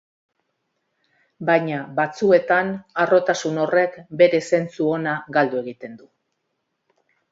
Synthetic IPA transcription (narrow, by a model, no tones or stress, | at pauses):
bajɲaβat͡sue̞t̪anaro̞t̪asuno̞re̞kbe̞ɾe̞se̞nt͡suo̞naɣald̪ue̞ɣit̪e̞nd̪u